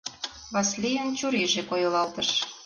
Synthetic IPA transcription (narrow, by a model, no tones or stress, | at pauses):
βɑslʲijənt͡ɕuɾeʒekojɤ̆lɑlt̪əʃ